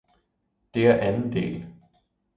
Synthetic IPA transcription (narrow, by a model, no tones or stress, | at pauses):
d̥e̝æɐʔænn̩d̥e̝̰ːl